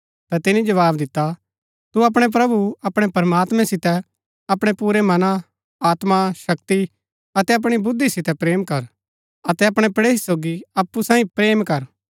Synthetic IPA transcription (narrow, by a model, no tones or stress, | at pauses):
t̪ɐt̪ɪnĩd͡ʒɐʋaːbd̪ɪt̪ːa | t̪uɐp̬ɽ̃ep̬ɾɐbuɐpɽ̃epɐɾɐmaːt̪mɛ̃sɪt̪ɛ | ɐpɽ̃epuːɾemɐna | aːt̪maʃɐkt̪i | ɐt̪ɛɐp̬ɽ̃ibʊd̪ːisɪt̪ɛpɾeːmkɐɾ | ɐt̪ɛɐpɽ̃epɐɽeːsoːɡiɐpːusãːĩpɾeːmkɐɾ